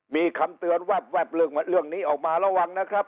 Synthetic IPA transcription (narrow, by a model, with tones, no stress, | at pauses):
miː˧kʰa˧mt̪ɯ˧ənwɛ˦˩p̚wɛ˦˥˩p̚lɯ˧˩kɾɯ˥˩əŋniː˦˥˩ʔɔː˨˩k̚maː˧ɾa˧˩wa˧ŋna˦˥kʰɾa˦˥p̚